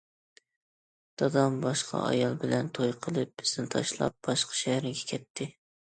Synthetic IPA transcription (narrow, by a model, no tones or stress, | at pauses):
d̪̥ɑd̪ɑmbɑʃqʰɑ̰ʔɑ̰jɑlˠbɪlɛnt̪ʰojqʰəlˠɨp̚bɪ̥zɪnt̪ʰɑ̰ʃlˠɑ̰p̚b̥ɑʃqʰɑ̥ʃæhɾɪɡʲɛkʲʰɛt̪ʰːɪ